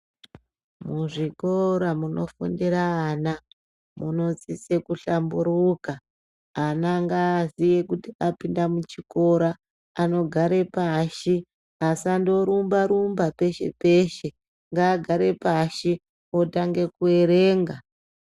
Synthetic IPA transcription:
muʐikoɾamuno̞̰fṵndiɾaana | muno̞t͡sise̞kuɬambuɾukaː | naŋɡaːzije̞kutiapindamut͡ʃiko̞ɾaː | no̞ɡʱaɾe̞paʃi | asando̞ɾumbaɾumbape̞ʃe̞̰pe̞ʃe̞ | ŋɡaːɡʱaɾe̞paʃi | otaŋɡe̞kue̞ɾeːŋɡa

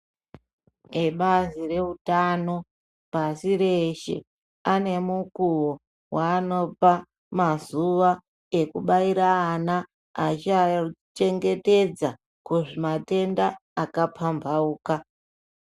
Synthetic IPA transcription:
eɓazire̞utano̞ | pasiɾeʃe̞̰ | ane̞mukuwo | waːno̞pa | mazuʋa | e̞kuɓaiɾaːna | at͡ʃat͡ʃe̞ŋɡe̞te̞d͡za | kuʐimate̞ndaːkapʰambauːka

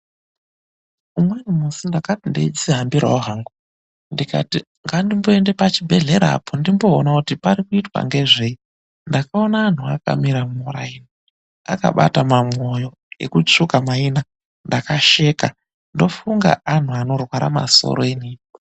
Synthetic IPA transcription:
umwenumusindakatindeid͡ziɦambiɾa̰oɦaŋɡu | ndika̰ti | ŋɡandimbo̞e̞nde̞pat͡ʃibʱe̞ɮe̞ɾa̰pʰondimbo̞ːnakutipaɾikuitwa̰ŋɡe̞ʐei | ndakao̞naːn̤uaka̰miɾamumuraini | a̰ka̰ɓa̰tamamo̞jo̞ | ḛkut͡ʂukamaina | ndakaʃe̞ka | ndo̞fuŋɡa̰ʔan̤uano̞rwaɾa̰ma̰so̰ɾoeniːi

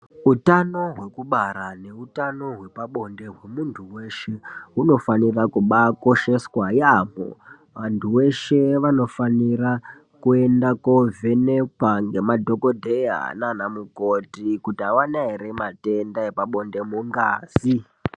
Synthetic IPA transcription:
utano̞ɦwe̞kuɓaɾane̞utano̞ɦwe̞paɓo̞nde̞ɦwe̞muntʰuwe̞ʃe̞uno̞fanirakuɓako̞ʃe̞swajamo̰ | ʋantʰuwe̞ʃe̞ʋano̞fanira | kue̞ndako̞vʱe̞nekwaŋɡe̞madʱo̞ko̞dʱeja̰nanamukotikutiawanaire̞mate̞ndaepaɓo̞nde̞muŋɡa̰ːz̥i

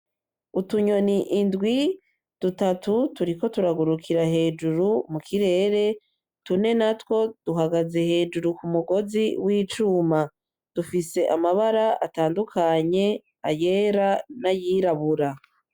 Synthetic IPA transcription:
utuɲo̞niʔindɡwi | d̥utatutuɾiko̞tuɾaɡuɾukʰiɾahe̞ːd͡ʒuɾumukʰiɾe̞ːɾe̞ | tune̞natwo̞d̥uɦaɡaze̞he̞ːd͡ʒuɾukumuɡo̞ziwiːt͡ʃuma | d̥ufise̞ʔamaβaɾaʔataːndukʰaɲe̞ | ajeːɾanajiːɾaβuɾa

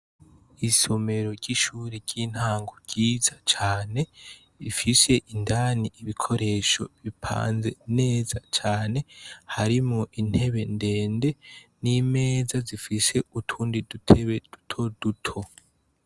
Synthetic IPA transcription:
iso̞me̞ɾo̞ɾɟiʃuːɾiɾɟiːn̥haːŋɡoɾɟ̥iːzat͡ʃaːne̞ | ifise̞ʔindaːniiβikʰo̞ɾe̞ːʃo̞̰βipʰa̰ːnze̞ne̞ːzat͡ʃaːne̞haɾimŋoʔin̥he̞βe̞nde̞ːnde̞nime̞ːzazifise̞utʰuːndidutʰeβed̥u̥tʰo̞d̥utʰo̞

